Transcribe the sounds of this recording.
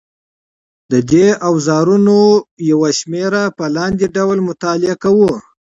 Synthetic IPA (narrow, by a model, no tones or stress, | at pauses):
d̪əd̪eʔawzɑɾunojawaʃmeɾapəlɑnd̪eɖawlmʊt̪ɑlɪakawu